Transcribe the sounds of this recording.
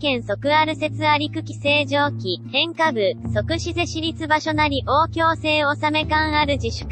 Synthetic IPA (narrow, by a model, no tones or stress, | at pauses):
kẽ̞ɰ̃so̞kɯ̟aɾɯ̟se̞t͡sɨaɾʲikɯ̟kʲi̥se̞ːʑo̞ːkʲihẽ̞ŋkabɯ̟so̞kɯ̟ɕize̞ɕiɾʲit͡sɨbaɕo̞naɾʲiʔo̞ːkʲo̞ːse̞ːo̞same̞kãɰ̃aɾɯ̟d͡ʑiɕɨ̥k